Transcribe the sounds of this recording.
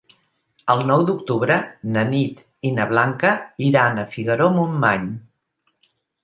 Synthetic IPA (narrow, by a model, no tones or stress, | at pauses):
əlˠnɔwd̪uk̚t̪uβɾənənit̪ | inəβlaŋkəiɾanəfiɣəɾomumːaɲ